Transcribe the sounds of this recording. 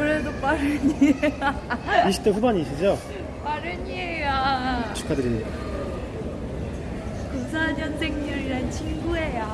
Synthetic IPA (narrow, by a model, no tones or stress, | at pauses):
kɯɾedopaɾɯɲiaiɕʰi̥t͈ʰeɸubaɲiɕʰid͡ʑo | paɾɯɲiejat͡ɕʰu̥kʰadɯɾinia | kusʰad͡ʑʌnsʰeŋɲuɾiɾant͡ɕʰinɡuɦe̞ja